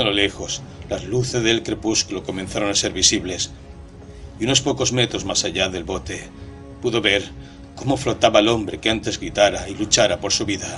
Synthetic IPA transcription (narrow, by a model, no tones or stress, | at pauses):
alole̞xo̞s | lazluθezðe̞lkɾe̞puskulo̞ko̞mẽ̞nθaɾo̞nase̞ɾβisiβle̞s | iuno̞spo̞ko̞zme̞t̪ɾo̞zmasaʎaðe̞lβo̞t̪e̞ | puðo̞βe̞ɾ | ko̞mo̞flo̞t̪aβaelõ̞mbɾe̞keant̪e̞zɣɾit̪aɾailut͡ʃaɾapo̞ɾsuβiða